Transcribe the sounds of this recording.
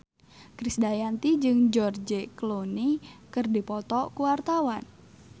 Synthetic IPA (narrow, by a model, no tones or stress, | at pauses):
kɾisdajant̪id͡ʒɨŋd͡ʒɔrd͡ʒeklonikɨrdipɔt̪ɔkuwart̪awan